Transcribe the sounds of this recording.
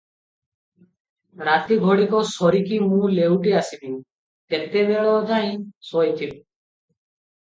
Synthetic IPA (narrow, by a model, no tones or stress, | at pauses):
ɾat̪iɡʱoɽikɔsɔɾikimũlewʈiasibi | t̪ent̪ebeɭɔd̪ʱaj̃sɔjt̪ʰib